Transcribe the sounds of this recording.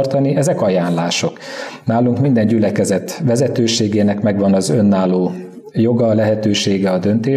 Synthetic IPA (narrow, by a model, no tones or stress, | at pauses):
rt̪ɒniɛzɛkɒjaːnlaːʃo̞knaːluŋkmind̪ɛɲɟylɛkɛzɛt̪ʋɛzɛt̪øːʃeːɡeːnɛkmɛɡʋɒnɒzø̞nːaːloː | jo̞ɡɒlɛɦɛt̪øːʃeːɡɛɒd̪ønt̪eː